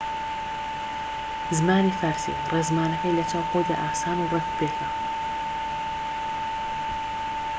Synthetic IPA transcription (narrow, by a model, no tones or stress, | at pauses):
zmaːniːfaɾsḭreːzmaːnɐkɐjlɐt͡ʃaːwxoːjd̪a̰ːʔaːsaːnuːrɐkbeːk̪a